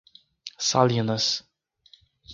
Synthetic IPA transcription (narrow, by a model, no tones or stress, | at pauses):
salʲinɐs